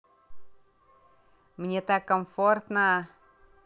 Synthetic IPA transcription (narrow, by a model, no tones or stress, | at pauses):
miɲet̪akomfort̪na